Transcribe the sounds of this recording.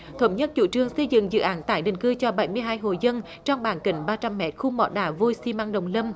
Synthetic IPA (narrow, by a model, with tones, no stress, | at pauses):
t̪ʰə˨˦wŋ͡mɲə˦˥t̚t͡ɕṵ˧˥t͡ɕɨ˧əŋsə˧jzɨ̰˧˨ŋzɨ̰˧˨ʔaː˨˦nt̪a̰ː˧˩jɗï˧˨˩ŋ̟kɨ˧t͡ɕɔ˧ɓə˨˧˩jmɨ˧əjɦaː˧jɦo̰˧˨jzə˧n | t͡ɕɔ˧wŋ͡mɓaː˨˩nkï˧˨˩ŋ̟ɓaː˧t͡ɕa˧mːɛ̰˦˥t̚xu˧mɔ̰˧˨˦ɗaː˧˩vo˧jsi˧ma˧ŋɗə̰˨wŋ͡mlə˧m